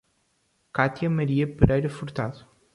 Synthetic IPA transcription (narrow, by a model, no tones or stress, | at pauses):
kat̪jameɾiepəɾʔajɾefuɾt̪aðu